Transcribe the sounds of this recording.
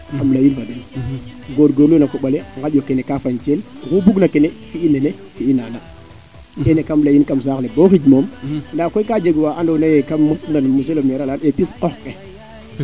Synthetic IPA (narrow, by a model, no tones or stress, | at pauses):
kamlajinfadən | ɡoɾɡoɾlunakoɓaleŋɡad͡ʒjokenekafant͡ʃelɣubuɡnakenefiinene | fiinana | kenekamlajinkams̬aːkleboxid͡ʒmomndakokad͡ʒeɡwaʔandownajekamːusndanmus̬elomeɾalanepisqɔxke